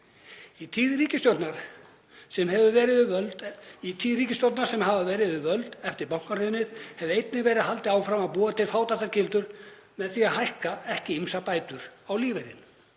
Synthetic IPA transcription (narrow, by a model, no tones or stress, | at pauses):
it̪ʰiːðɾiːcɪst̪jowt̪naɾ̥ | sɛmɦɛvʏvɛːɾɪðʏvœlt̪it̪ʰiːðɾiːcɪsjowt̪naɾ̥sɛmɦavavɛːɾɪðʏvœlt̪ɛft̪ɪɾpawŋkarʏnːɪð̥hɛvʏejt̪̚nɪvɛːɾɪðhɦalt̪ɪaːwfɾamaðpuːat̪ʰɪlfaːwt̪at̪ːaɾcɪlt̪ʏɾ̥ | mɛðθiaɦajhkaɛhcɪimsapaːjt̪ʏɾ̥awliːvejɾɪ̰n